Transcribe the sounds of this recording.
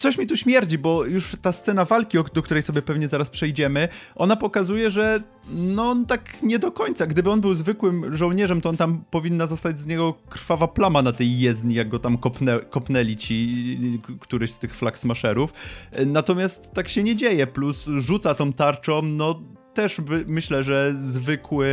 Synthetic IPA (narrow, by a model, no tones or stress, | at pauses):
t̪sɔɕmʲit̪uɕmʲjɛɾd͡ʑibɔjuʂt̪ast̪sɛnavalkʲiɔd̪ɔkt̪uɾɛjsɔbʲjɛpɛvɲɛzaɾaspʂɛjd͡ʑɛmɘʔɔnapɔkazujɛʐɛ | nɔnt̪akɲɛd̪ɔkɔɲt̪saɡd̪ɘbɘɔnbɘwzvɘkwɘmʐɔwɲɛʐɛmt̪ɔɔnt̪ampɔvʲinːazɔst̪ad͡ʑzɲɛɡɔkɾ̥favaplamanat̪ɛjːɛzd̪ɲijaɡ̚ɡɔt̪amkɔpnɛkɔpnɛlʲit͡ɕi | kt̪uɾɛɕst̪ɘxflaksmaʂɛɾufnat̪ɔmʲjast̪ːakɕɛɲɛd͡ʑejɛplusʐut̪sat̪ɔ̃m̃t̪aɾt͡ʂɔmnɔ | t̪ɛʂbɘmɘɕlɛʐɛzvɘkʰwɘ